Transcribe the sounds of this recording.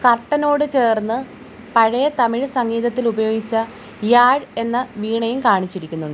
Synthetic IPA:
kɐrʈːɐno̞ːɽɨt͡ɕe̞ːrnːɨ | pɐɻɐjɐt̪ɐmiɻsɐŋːiːðɐt̪ːilubɐjo̞ːɡit͡ɕːɐ | jaːɻe̞nːɐʋiːɳɐjumkaːɳit͡ɕːiɾikʲːunːuɳɖɨ

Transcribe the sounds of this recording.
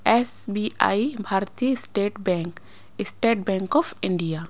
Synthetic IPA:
esbia̰jbʱaːɾt̪ijəsʈeːʈbɛ̃ŋk | ɪsʈeːʈ̚bɛ̃ːŋkɔpʰɪ̃ɳɖija

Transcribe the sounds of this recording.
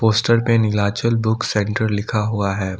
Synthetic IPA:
poːsʈəɾmẽnɪlaːt͡ʃəlbʊksɛ̃ːɳʈəɾlɪkʰaɦuaɦɛː

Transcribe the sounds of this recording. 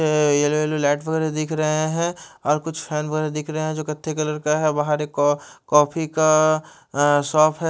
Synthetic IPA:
eloeːlolɛːʈʋɐɡɛːɾed̪ɪkʰɾɐɦeɦɛ̃ɔːɾkʊt͡ʃʰpʰɛːnʋəɣɛːɾed̪ɪkʰɾɐɦeɦɛ̃d͡ʒoːkɐt̪ʰːekɐləɾkaɦɛbaɦaɾekkɔːpʰika | sɔːpʰɦɛ

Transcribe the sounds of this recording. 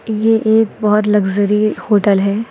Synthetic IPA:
jeʔeːk̚bɔɦʊt̪lɐɡzəɾihoːʈəlɦɛː

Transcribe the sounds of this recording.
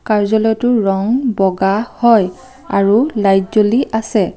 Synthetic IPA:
kaɹzɔlɔjtʊɹɔŋbɔɡahɔj | aɹulajzoliʔasɛ

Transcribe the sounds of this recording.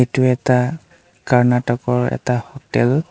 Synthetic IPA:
etuɛta | kaɹnatɔkɔɹɛ̰tahotɛl

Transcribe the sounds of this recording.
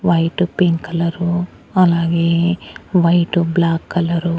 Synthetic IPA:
ʋɐjʈupiŋkɐlɐɾu | ɐlaːɡeːʋɐjʈublaːkːɐlɐɾu

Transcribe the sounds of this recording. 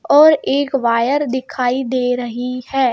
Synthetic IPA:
ɔːɾeːkʋaːjəɾd̪ɪkʰaːid̪eːɾəɦihɛː

